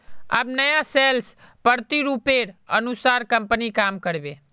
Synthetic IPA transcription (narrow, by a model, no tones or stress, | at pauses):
a̰bnəjaselspəɾt̪iɾupeɾə̰nusaɾkəmpənikamkəɾbe